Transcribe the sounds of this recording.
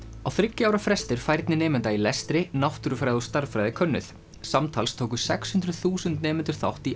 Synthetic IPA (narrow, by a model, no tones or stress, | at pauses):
awθɾɪcːɪawɾafɾɛst̪ɪɾ̥fajɾt̪nɪnɛːmɛnt̪ailɛst̪ɾɪnawht̪ʏɾʏfɾajðawst̪aɾfɾajðɪkʰœnːʏ̰θ | samt̪ʰalst̪ʰoːwkʏsɛkshʏnd̪ɾʏðθuːsʏnt̪nɛːmɛnt̪ʏɾ̥θa̰wht̪i